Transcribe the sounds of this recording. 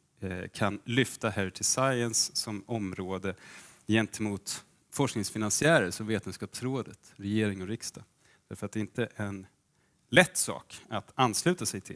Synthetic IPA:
kʰanlʏft̪ahæʈʰɪlsajənsːɔmɔmɾoːd̪ə | jɛnt̪ʰəmuːt̪ | fɔʂknɪŋsfɪnansɪæːɾəʂɔmveːt̪ənskɑːpsɾoːd̪ət̪ɾɛjeːɾɪŋɔɾɪkst̪ɑ | d̪̥æɾfəɾat̪̚d̪ɛɪnt̪əʔɛn | lɛt̪ːsɑ̰ːkat̪anːslʉ̟ːt̪asɛjt̪ʰɪ̰l

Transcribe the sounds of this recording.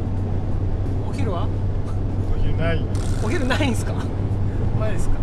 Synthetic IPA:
oçʲiɾɯβa | oçiɾɯnaioçʲiɾɯ̟naĩnsɨ̥ka | mad̪esɨ̥ka

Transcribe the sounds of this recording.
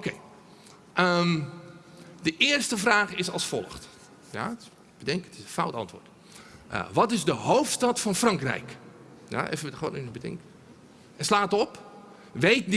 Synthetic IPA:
okʰeː | ʔəm | dəʔɪərstəfraːxɪsɔlˠsfɔlˠəxt | ja̰ | bədɛŋkətɪsənfawtɑ̰ntʋo̰ːrt | ʔə̰ʋɔtɪzdəhoːftstatfɔnfrɑŋkrɛ̰jk | ja̰ḛfo̰nynbətɪ̰ŋk | ɛslaːtɔp | ʋeːtd

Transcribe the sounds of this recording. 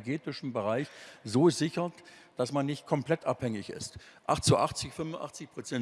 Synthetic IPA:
ɡeːtɪʃn̩bəʁaɪçzoːzɪçɐtd̥asmanːɪçt̚kʰɔmplɛtʔaphɛŋɪçɪ̰stʔa̰χt͡suʔa̰χt͡sɪçfʏmʊnʔa̰χt͡sɪçpʁ̥ot͡sɛn

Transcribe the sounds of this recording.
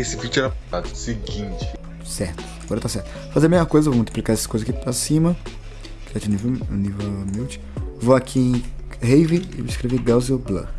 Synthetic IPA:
esɪvid͡ʒʊɛɾɐpt̪ad̪ʊsɪɡĩnt͡ʃɪ | sɛɾt̪ʊ̥aɡɔɾɐt̪asɛɾt̪ʊ̥ | fazeɾɐmezmɐkojzɐvomult̪iplikaɾesɪ̥kojzakipɾasĩmɐ | kɛd͡ʒunivenivemiwt͡ʃɪ̥voakʰiẽj̃ | hejviɪ̰iskɾeveɡawzeblɐ̰

